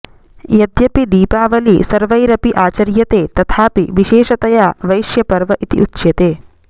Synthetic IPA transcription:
jɐd̪jɐpid̪iːpaːʋɐlisɐɾʋɐjɾɐpiʔaːt͡ʃɐɾjɐt̪eːt̪ɐt̪ʰaːpiʋiʃeːʃɐt̪ɐjaːʋɐjʃjɐpɐɾʋɐʔit̪ḭʔutːʃjɐt̪eː

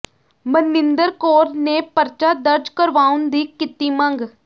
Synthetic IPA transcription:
mənːɪ̃nd̪əɾkoːɾneːpəɾt͡ʃaːd̪əɾd͡ʒkəɾʋaːʊnd̪iːkɪt̪ːiːməŋɡ

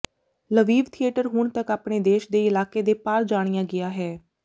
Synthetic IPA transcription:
ləʋiːʋt̪ʰijeːʈəɾɦʊɳt̪əkaːpɽeːd̪eːʃd̪eːɪlaːkeːd̪eːpaːɾd͡ʒaːɽ̃ijãːɡɪaːɦɛː

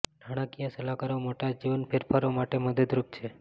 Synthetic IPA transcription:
naɽ̃akijasəlakaɾomoʈad͡ʒiʋənpʰɪɾpʰaɾomaʈeməd̪əd̪ɾuk̚t͡ʃʰe

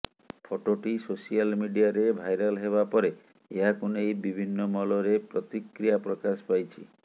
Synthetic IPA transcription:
pʰoʈoʈisosialmiɖijaɾebʱajɾalɦeβapɔɾe | eɦakonoejbibʱinːɔmɔlɔɾepɾɔt̪ikɾijapɾɔkaspajt͡ʃʰḭ

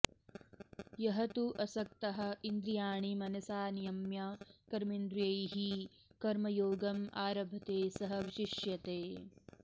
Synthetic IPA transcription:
jɐɦɐt̪uʔɐsɐk̚t̪ɐɦɐ̆ʔind̪ɾijaːɳimɐnɐsaːnijɐmjakɐɾmind̪ɾujɐjɦi | kɐɾmɐjoːɡɐmaːɾɐbʱɐt̪eːsɐɦɐʋiʃiʃjɐt̪eː

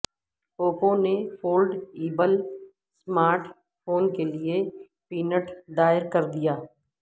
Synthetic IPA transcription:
oːpõnefʰoːlɖiːbəl | smaːɾʈ | fʰoːnkelie | piːnəʈd̪aːɪɾkɐɾd̪ijaː

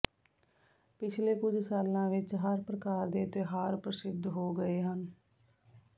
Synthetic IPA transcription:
pɪt͡ʃʰleːkʊd͡ʒsaːlãːʋɪt͡ʃɦəɾpɾəkaːɾd̪eːt̪eɦaːɾpɾəsɪd̪ʱɦoːɡəeːɦən

